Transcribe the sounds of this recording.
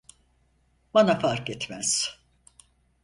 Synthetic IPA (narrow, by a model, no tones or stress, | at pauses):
banafaɾkɛt̪mæz̥